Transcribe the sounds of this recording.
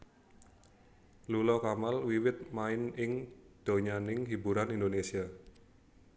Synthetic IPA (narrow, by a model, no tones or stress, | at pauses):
lulɔkamalwiwɪt̪̚maɪnɪŋd̪̥o̤ɲanɪŋɦibuɾanindonesia